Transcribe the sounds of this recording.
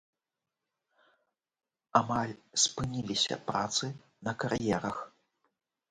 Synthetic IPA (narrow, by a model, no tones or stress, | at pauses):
amalʲspɨnʲilʲisʲɐ̰pɾat̪sɨ | nɐkaɾjɛɾɐx